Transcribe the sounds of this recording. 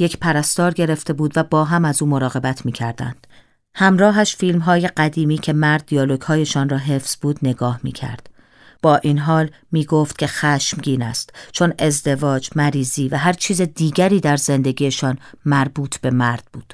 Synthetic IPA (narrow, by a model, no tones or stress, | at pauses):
je̞cʰpʰæɾæst̪ɒːɾɟe̞ɾe̞ft̪e̞buːd̪væbɒːɦæmæzuːmo̞ɾɒːɣe̞bæt̪ʰmiːcʰæɾd̪æ̰nd̪̥ | hæmɾɒːɦæʃfiːlmɦɒːje̞ɢæd̪iːmiːcʰe̞mæɾd̪̚ːiɒːloɡhɒːje̞ʃɒːnrɒːɦe̞fsbuːd̪ne̞ɡɒːhmḭːcʰæ̰ɾd̪̥ | b̥ɒːʔinɦɒːl | miːɡoft̪̚cʰe̞xæʃmɟiːnæ̰st̪t͡ʃʰo̞ne̞zd̪e̞vɒːd͡ʒmæɾiːziːvæɦæɾt͡ʃʰiːzed̪iːɟæɾiːd̪æɾze̞nd̪e̞ɡiːjeʃɒːnmæɾbuːt̪ʰb̥e̞mæɾd̪̥̚b̥uːd̪̥